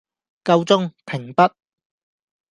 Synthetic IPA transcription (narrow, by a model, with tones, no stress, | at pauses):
kɐ˧wt͡sʊ˥ŋpʰɪ˨˩ŋpɐ˥t̚